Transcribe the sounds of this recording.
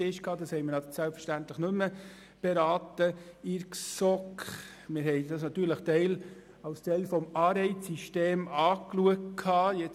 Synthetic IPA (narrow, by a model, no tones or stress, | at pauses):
ɪʃkhɑːd̪ɑshɛjmɪɾnɑsælpfəɾʃtænt̪ləχnɵmːə | b̥ɛɾɑːtəɪɾksɔk | mɪɾɦɛɪdɑsnɑt̪ːyːɾləχtɛɪl | ɑwst̪ɛɪlfɔmɑːɾɛɪt͡sːiʃteːmɑːkluək̚tkʰhɑːjɛ